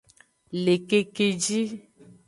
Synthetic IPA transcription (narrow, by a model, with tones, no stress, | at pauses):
le˨ke˨ke˨d͡ʒi˦